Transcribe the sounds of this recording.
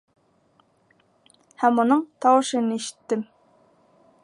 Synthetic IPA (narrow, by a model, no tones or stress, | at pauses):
hɛmːunɨŋt̪ʰɑwɨʃɨnɪeʃi̥t̪ʰːɪm